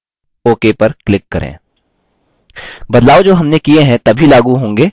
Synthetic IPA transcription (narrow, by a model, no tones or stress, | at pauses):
oːkepɐɾklɪkːɐɾḛ̃ː | bɐd̪laːod͡ʒoːɦɐmnekieɦɛ̃t̪ɐbʱilaːɡuɦõːŋɡeː